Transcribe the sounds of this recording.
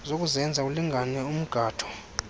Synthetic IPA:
zok̬ʼuzɛnd͡zʱauliŋɡʱanɛum̩ɡ̥ʱaːtʰɔ̥

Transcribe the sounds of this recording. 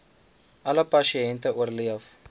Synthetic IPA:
ʔɐləpɐʃiɛntəuərliəf

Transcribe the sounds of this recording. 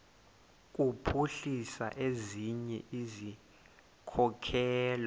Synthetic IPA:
k̬ʼupʰuɬisa̰ʔeziɲɛ̰ʔizi | kʰɔkʰɛːl

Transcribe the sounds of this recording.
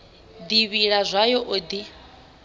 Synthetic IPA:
d̪iβiɺazʷajɔʔod̪i

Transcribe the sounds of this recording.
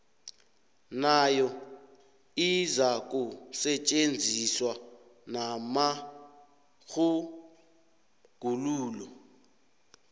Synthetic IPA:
najɔ | izakʼusɛt͡ʃʼend͡zʱiswa | nama | ɣu | ɡ̥ʱuluːlɔ

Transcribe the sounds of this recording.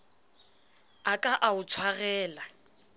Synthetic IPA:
akʼaʔaʊt͡sʰwaɣɛːla

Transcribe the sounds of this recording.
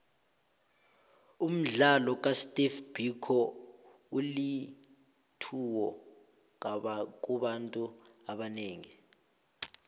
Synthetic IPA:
um̩ɮalɔk̬ʼastʼifb̥ʱikʰɔ | uli | tʰuwɔ | ŋaɓak̬ʼuɓantʼuaɓaneːŋi

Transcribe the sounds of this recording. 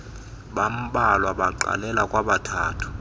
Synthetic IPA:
ɓam̩ɓalwaɓaǃa̰lɛlakʼwaɓatʰaːtʰu̥

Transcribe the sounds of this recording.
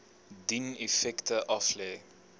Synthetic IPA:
dinefɛktəʔɐflɛː

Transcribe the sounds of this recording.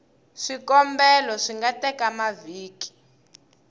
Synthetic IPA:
ʂikɔmbɛlɔʂiŋɡatɛkamaviːki̥

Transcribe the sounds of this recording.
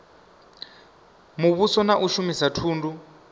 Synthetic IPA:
muβusɔnaʔuʃumisatʰuːndu

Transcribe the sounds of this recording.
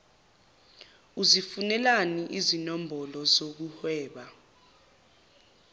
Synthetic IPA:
uzifunɛlaniʔizinɔmbʱɔlɔzok̬uhwɛːɓa

